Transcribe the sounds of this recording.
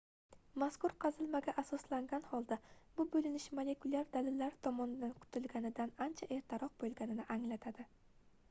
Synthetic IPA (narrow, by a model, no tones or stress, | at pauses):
maskʊɾqʰɑzɪlmaɡʲaʔasɒslaŋɡʲanhɒlˠd̪abʊbɵlɪnɪʃmole̞kʊlʲˠaɾd̪alɪlːaɾt̪ʰɒmɒnɪd̪ankʰʊ̥t̪ʰɪlɡʲanɪd̪anant͡ʃʰaʔe̞ɾt̪ʰaɾɒq̚bolˠɡʲanɪnɪʔaŋlat̪ʰad̪ɪ